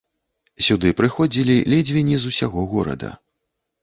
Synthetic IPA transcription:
sʲud̪ɨpɾɨxɔd͡zʲilʲilʲɛd͡zʲvʲɛnʲːizusʲaɣɔɣɔɾɐ̰d̪ɐ̰

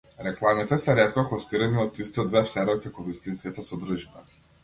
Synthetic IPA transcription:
ɾɛklˠamit̪ɛsɛɾɛt̪kɔxɔst̪iɾɛniɔt̪ist̪iɔd̪vɛfsɛɾɔkʲakɔvist̪inskit̪asɔd̪ɾuʒiba

